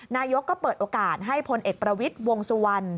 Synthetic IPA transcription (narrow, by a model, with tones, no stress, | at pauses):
naː˧jo˦˥kːɔː˥˩pɤː˨˩t̪̚ʔoː˧kaː˨˩t̪̚ɦa˥˩jpʰo˧nʔeː˨˩k̚pɾa˧wi˦˥t̪̚wo˧ŋsu˧wa˧n